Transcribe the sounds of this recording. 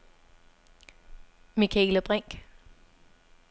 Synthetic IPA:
mikʰæḛːləb̥ʁɛŋ̰ɡ̥

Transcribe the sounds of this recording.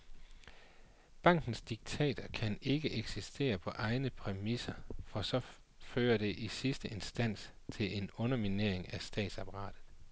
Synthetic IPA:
b̥ɑ̈ŋ̰ɡ̥n̩sd̥iɡ̥̚t͡sʰɛ̰ːd̥ʰɐkʰæne̝ɡ̥əʔeɡ̥sisd̥e̝̰ːɐpʰɒ̽ʔɑ̈ɪnəpʰʁɛmisɐfɒ̽sɒ̽ | føːɐɾ̥e̝ʔisisd̥əe̝nsd̥æn̰s | t͡sʰe̝le̝nɔ̽nɐmine̝ɐ̰e̝ŋæsd̥ɛ̰ːd̥sɑ̈pʰɑʁɑ̰̈ːd̥ð̩ˠ

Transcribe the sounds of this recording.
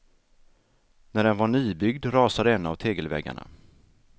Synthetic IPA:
næɖɛnvaɳiːbʏɡd̪ɾɑːsad̪əɛnːavt̪ʰeːɡəlvɛ̰ɡːa̰ɳa̰

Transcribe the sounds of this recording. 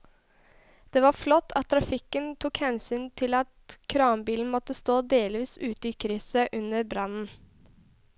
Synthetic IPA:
d̪̥ɛːʋɑɾflɔt̪ːʰɑt̪ʰːɾɑfɪkənt̪ʰʊkhɛnsyːnt̪ʰɪlɑt̪kʰɾɑːmbiːln̩mɔt̪ːəst̪oːd̪eːlʋiːsʉːt̪əiːkʰɾisəʔʉnəɾbɾɑnn̩

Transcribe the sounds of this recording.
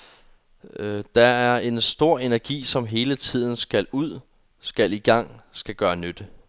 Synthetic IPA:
d̥ɑ̈æɐe̝nsd̥o̝ɐ̰e̝næɐɡ̥ḭːsɒ̽mɦe̝ːlət͡sʰið̞̰ˠn̩sɡ̥æluð̞̰ˠ | sɡ̥æliɡ̥ɑ̈ŋ̰sɡ̥æɡ̥ɶːɐnød̥ə

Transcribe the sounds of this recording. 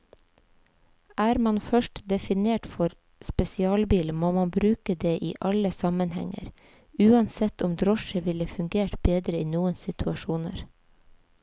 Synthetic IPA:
ʔæːɾmɑnfœʃʈd̪ɛfɪneːʈfɔɾ | spɛsɪɑːlbiːlmoːmɑnbɾʉːkəd̪eːʔḭːʔɑləsɑmənhɛ̰ŋə̰ɾ | ʉːɑnsɛt̪ʊmd̪ɾɔʃəʋɪləfʉŋɡeːʈbeːd̪ɾəiːnuːənsɪt̪ʰʉɑʃuːnə̰ɾ

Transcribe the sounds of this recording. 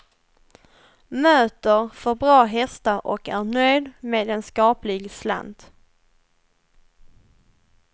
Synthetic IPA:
møːt̪əɾfœɾbɾɑːɦɛst̪aʔɔ̰kæɳœjd̪meːd̪ɛnskɑːplɪɡsla̰nd̪

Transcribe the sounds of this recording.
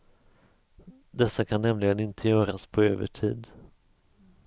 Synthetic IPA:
d̪ɛsːakʰanːɛmlɪɡənɪnt̪ʰəjœːɾaspʰɔøːvə̰ʈʰḭːd̪

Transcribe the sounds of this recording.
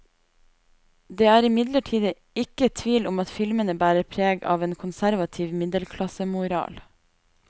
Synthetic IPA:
d̪eːæːɾɪmɪd̪ləʈʰiːd̪ə | ɪkət̪ʰʋiːlʊmɑt̪fɪlmənəbæːɾəɾpʰɾeːɡɑ̰ːʋeːnkʰʊnsæɾʋɑt̪ʰiːʋmɪd̪əlkʰlɑsəmʊɾɑ̰ːl

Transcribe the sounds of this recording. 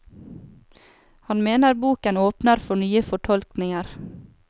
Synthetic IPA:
hɑnmeːnəɾbuːkənoːpnəɾfɔɳyːəfɔʈʰɔlknɪŋəɾ

